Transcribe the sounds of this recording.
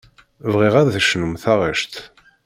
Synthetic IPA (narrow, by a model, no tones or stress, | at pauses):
vʁiʁæðθəʃnəmθaʁəʃt̪